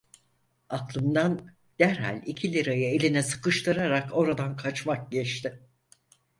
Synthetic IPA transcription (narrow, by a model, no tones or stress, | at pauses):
aklˠɯmd̪an | d̪̥æɾɦa̰nʲicʰilʲiɾajaelʲinɛsɯ̥kɯʃt̪ʰɯɾaɾako̞ɾad̪ankʰat͡ʃmak̚ɟɛt͡ʃt̪ʰɪ